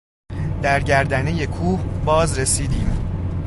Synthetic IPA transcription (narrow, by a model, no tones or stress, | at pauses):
d̪̥æɾɟæɾd̪æneje̞kʰuːhbɒːzɾesiːd̪iːm